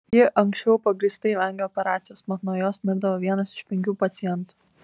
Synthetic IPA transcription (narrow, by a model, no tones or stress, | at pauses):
jiʔɐŋksʲt͡ʃʲɛʊpɐɡɾʲiːst̪ɐɪʋɐŋʲɡʲoːpʲɛɾɑːt̪sʲɪjoːsmɐt̪nuɔjoːsmʲɪɾd̪ɐʋoːʋʲiɛnɐsɪ̥ʃpʲɛŋʲkʲuːpɐt̪sʲɪjɛnt̪u̥